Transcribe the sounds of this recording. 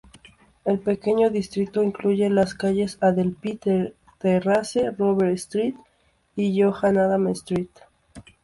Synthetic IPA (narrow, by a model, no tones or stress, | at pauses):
e̞lpe̞ke̞ɲo̞ðist̪ɾit̪o̞iŋkluʝe̞laskaʝe̞saðelpit̪e | t̪eraseroβeɾst̪ɾit̪ | iʝoxanaðamest̪ɾit̪